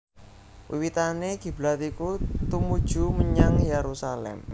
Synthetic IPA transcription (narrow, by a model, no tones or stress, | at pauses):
wḭwit̪aneɡ̥i̤b̥lat̪ikut̪umud̥ʒ̥ṳməɲaŋjeɾusalɛ̰m